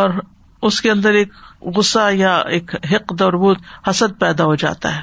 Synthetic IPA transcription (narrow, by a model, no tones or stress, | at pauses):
ɔːɾ | ʊskeɐ̃nd̪əɾeːkɣʊsːajaeːkɦɪqd̪ɔːɾbuːt̪hɐsəd̪̚pɛːd̪aɦod͡ʒa̰ːt̪a̰ɦɛː